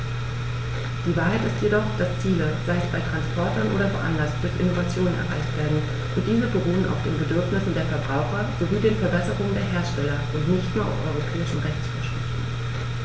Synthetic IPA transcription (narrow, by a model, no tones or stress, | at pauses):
d̥iːvaːɐɦaɪtɪstjedɔχd̥ast͡siːləz̥aɪəsb̥aɪtʁ̥anspʰɔɐtɐnʔo̰ːɾɐfɛɐʔanlastd̥ʊɐçʔɪnovat͡sjoːnənʔɛ̰ɐʁa̰ɪçtv̥eːɐdn̩ | ʔʊnt̚d̥iːzəbəʁuːəna̰ʊfd̥eːnbədʏɐfnɪsn̩deːɐfɛɐbʁaʊxɐz̥oviːdeːnfɛɐbɛsəʁʊŋəndeːɐɦeːɐʃtɛlɐʔʊntnɪçtnuːɐa̰ʊʔɔ̰ʏʁ̞opʰɛːɪʃn̩ʁɛçt͡sfo̰ɐʃɪftn̩